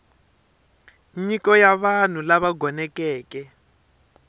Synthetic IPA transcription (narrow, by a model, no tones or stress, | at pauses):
ɲikɔjaβan̤ulaβaɡʱɔnɛkɛːkɛ